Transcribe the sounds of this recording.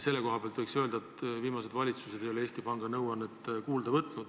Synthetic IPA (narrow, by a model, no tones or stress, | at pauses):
se̞lːe̞ko̞ɦɑpeɑlt̪vɤjksø̞ld̪ɑet̪viːmɑse̞d̪vɑlʲit̪sused̪̥e̞joee̞ːst̪ipɑŋɡ̥ɑnɤwɑnːet̪ːˑkuːld̪ɑvɤt̪ˑnud̪̥